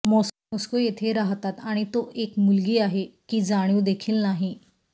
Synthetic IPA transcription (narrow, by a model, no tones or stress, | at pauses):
mɔs | ɔskojet̪ʰeɾaɦt̪at̪aɽ̃it̪oʔekmulɡiːaɦekiːd͡zaɽ̃juːd̪ekʰiːlnaɦi